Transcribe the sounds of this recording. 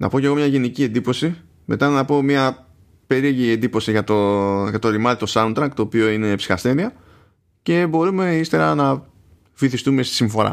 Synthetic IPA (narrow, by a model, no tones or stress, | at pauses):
nʔɐ̰po̞ce̞ɣo̞mɲɐʝe̞nicie̞nd̪ipo̞si | mʔe̞̰t̪ɐnɐpo̞miɐ | pe̞ɾieʝie̞nd̪ipo̞siʝɐt̪oʝɐt̪o̞ɾimɐɾit̪o̞sɐunt̪ɾɐŋkt̪o̞ːpio̞ine̞psi̥xɐst̪e̞ðiɐ | ce̞bo̞ɾume̞ist̪e̞ɾɐnɐ | fiθist̪ume̞st̪i̥siɱfo̞ɾɐ̰